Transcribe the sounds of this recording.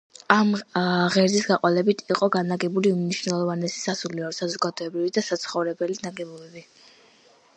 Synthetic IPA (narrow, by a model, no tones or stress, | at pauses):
amʁɛɾzisɡaqʼɔlɛbit̪ʰiqʼɔɡanaɡɛbuliumniʃvnɛlˠɔvanɛsi̥sasuliɔɾsazɔɡad̪ɔɛbɾivid̪asat̪sʰχɔvɾɛbɛlinaɡɛbɔbɛbi